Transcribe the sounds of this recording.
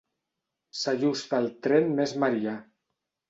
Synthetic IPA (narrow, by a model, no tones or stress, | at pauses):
saʒust̪alˠt̪ɾenmezmaɾia